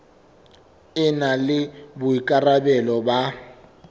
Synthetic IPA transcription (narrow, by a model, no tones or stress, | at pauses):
ɪnalɪbʊikʼarabɛlɔba